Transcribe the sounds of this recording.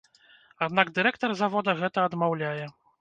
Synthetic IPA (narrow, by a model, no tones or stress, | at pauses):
ad̪naɡd̪ɨɾɛkt̪ɔrzavɔd̪ɐɣɛt̪ɐɐd̪mawlʲajɛ